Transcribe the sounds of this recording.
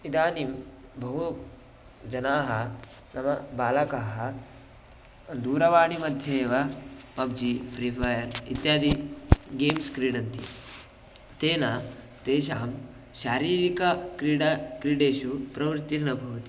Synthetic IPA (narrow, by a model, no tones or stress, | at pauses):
id̪aːnimbɐɦu | d͡ʒɐnaːɦɐnɐmɐbaːlɐkaːɦɐ | d̪uːɾɐʋaːɳimɐd̪ʱjeːʋɐpɐb̚d͡ʒipɾipʰaːjɐɾḭt̪jaːd̪iɡeːmskɾiːɽɐnt̪ḭ | t̪eːnaː | t̪eːʃaːm | ʃaːɾiːɾikɐkɾiɽɐkɾiɽeːʃupɾɐʋɾt̪ːiɾnɐbʱɐʋt̪i̥